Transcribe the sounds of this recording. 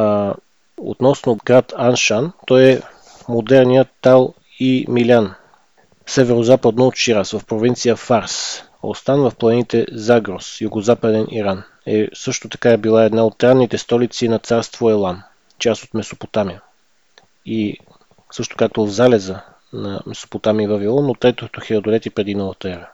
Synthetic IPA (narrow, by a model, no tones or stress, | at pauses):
o̰t̪nɔsnoɡɾat̪anʃant̪ɔjɛ | mod̪ɛɾnijət̪ːalˠ | imilʲan | sɛvɛɾozapəd̪noot̪ʃiɾasvəfpɾovint̪sijəfaɾs | o̰st̪anvɐfplˠɐnit̪ɛzaɡɾosjuɡozapəd̪ɛniɾan | ɛsɤʃt̪ot̪ɐ̥kaɛbilˠaɛd̪naot̪ːɾanːit̪ɛst̪ɔlit̪sinɐt̪saɾst̪voɛlˠan | t͡ʃasot̪mɛsopot̪amiə | i | sɤʃt̪o̥kak̚t̪ovzalɛzə | nɐmɛso̥pot̪amiːvɐvilˠɔnːot̪ːɾɛt̪ot̪oxʲiəd̪olɛt̪ipɾɛd̪inɔvət̪əɛɾə